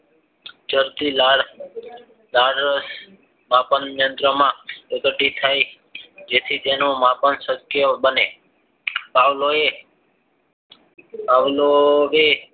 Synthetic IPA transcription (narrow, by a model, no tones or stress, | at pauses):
d͡ʒəɾt̪ilaɽ | laɽəs | mapənjənd̪ɾəmãək̪əʈit̪ʰaj | d͡ʒet̪ʰit̪enomapənsəkːjəbəne | paʋloe | paʋloʋe